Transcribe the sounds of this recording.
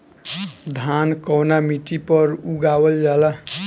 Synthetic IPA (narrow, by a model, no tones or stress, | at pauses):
d̪ʱankʌwnamiʈipʌɾuɡawʌljala